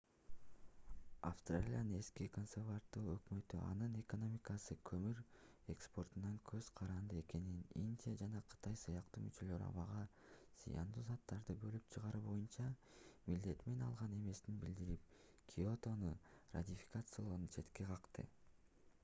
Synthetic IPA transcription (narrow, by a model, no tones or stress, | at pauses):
a̰fst̪ralʲijanɯne̞skiko̞nsevard̪uːøkmø̞t̪yʔɑ̰nɯne̞ko̞no̞mʲikasɯkʰø̞myɾ | ekspo̞rt̪unɑŋkʰø̞z̥qʰɑɾɑnd̪ɯe̞ke̞nininʲdʲijad͡ʒɑnɑqʰɯ̥t̪ɑjsɯjɑqt̪uːmyt͡ʃø̞lø̞ɾɑ̰βɑʁɑzḭjɑ̰nd̪uːzɑt̪ːɑɾd̪ɯbø̞lyp̚t͡ʃʰɯʁɑɾubo̞junt͡ʃɑmild̪e̞t̪me̞nɑ̰lˠʁɑne̞me̞snibild̪iɾip̚ | kʲʰio̞t̪o̞nura̰t̪ʲifʲi̥kat̪sɨjalˠoɾunt͡ʃʰe̞t̪ke̞qʰɑqt̪ɯ̰